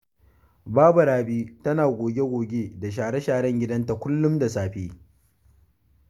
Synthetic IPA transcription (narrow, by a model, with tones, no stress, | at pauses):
baː˦bɐ˨ɽaː˨biː˦tɐ˦naː˨ɡʷoː˨ɡʲe˦ɡʷoː˨ɡʲeː˦da˨ʃ̬aː˨ɽe˦ʃaː˨ɽɛ˦ŋɡʲɪ˦dɐ˦nta˨kʷʊ˦lːʊ˦mda˨saː˨ɸeː˦